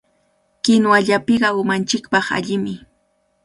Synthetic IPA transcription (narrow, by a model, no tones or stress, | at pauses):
kɪnwaʎapɪɢɑʊmant͡ʃɪkpɑχa̰ʎɪmɪ